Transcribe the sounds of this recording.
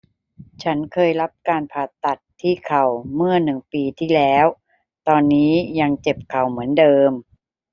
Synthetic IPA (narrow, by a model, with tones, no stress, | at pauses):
t͡ɕʰa˦˥nkʰɤː˧jɾa˦˥p̚kaː˧npʰaː˨˩t̪ːa˨˩t̪ʰːiː˥˩kʰa˨˩wmɯ˥˩ɐnɯ˨˩ŋpiː˧t̪ʰiː˥˩lɛː˦˥w | t̪ɔː˧nːiː˦˥ja˧ŋt͡ɕe˨˩p̚kʰa˨˩wmɯ˩˦əndɤː˧m